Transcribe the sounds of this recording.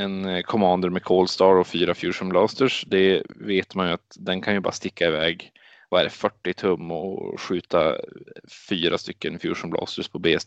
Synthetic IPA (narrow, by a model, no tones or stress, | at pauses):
ɛnkʰɔmɑːnd̪əɾmɛkʰoːlst̪ɑːɾɔfyːɾafjuːʂənblɑːst̪əʂd̪ɛveːt̪manjɵat̪d̪ɛnkʰanjɵbɑ̰ɾast̪ɪkʰːaɪvɛːɡ | vaɛɖɛfœʈːɪt̪ʰɵmːɔ̰ɧʉ̟ːt̪a̰ | fyːɾast̪ʏkːənfjṵːʂənblɑ̰ːst̪əʂpʰɔbeːɛst̪